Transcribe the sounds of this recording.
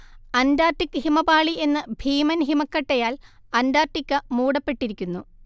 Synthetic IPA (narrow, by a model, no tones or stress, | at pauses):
ɐndaːrʈːikːɨhimɐbaːɭiʔe̞nːɨbʱiːmɐnɦimɐkːɐʈːɐjaːlɐndaːrʈːikʲːɨmuːɽɐpːe̞ʈːiɾikʲːunːu